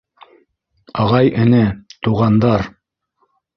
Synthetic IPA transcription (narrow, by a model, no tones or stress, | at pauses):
ɑʁɑjɘ̆nɘt̪uʁɑnd̪ɑɾ